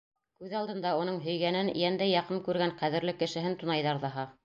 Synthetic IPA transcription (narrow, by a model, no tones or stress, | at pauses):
kʉðɑlˠd̪ɤ̆nd̪ɑunɤɴɦɵ̆jɡænɘnjænd̪æjɑqɤmkʉɾɡæɴqæðɘ̆ɾlɘkɘ̆ʃɘ̆ɦɘnt̪ŭnɑjðɑɾðɑɦɑ